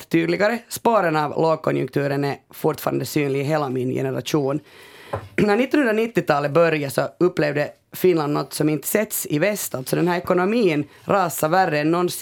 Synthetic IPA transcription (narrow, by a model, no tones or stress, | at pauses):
t̪ʰyːd̪lɪɡaɾəspoːɾənɑvloːɡ̚kʰɔnjʉ̰ŋk̚t̪ʰʉːɾənæfʊɾʈ̪fɑ̰ːɾa̰nd̪əsyːnlɪɡɦeːlamɪnjɛ̰nəɾa̰ʂuːn | næɾɳɪt̪ːɔnhɵnɾanɪt̪ːɪt̪ʰɑːlət̪̚bœɾjasɔɵpːleːvd̪ə | fɪnland̪nɔt̪ːsɔmɪnt̪sɛt̪sɪvɛst̪alt̪sɔd̪ɛnhæɾɛkʊnʊmiːən | ɾɑːsaværːəɛnːɔns